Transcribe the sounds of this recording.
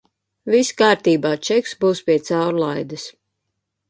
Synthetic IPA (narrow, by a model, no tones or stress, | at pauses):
viskaːɾt̪iːbaːt͡ʃɛksbuːspʲiɛt̪sawɾlˠajd̪ɨs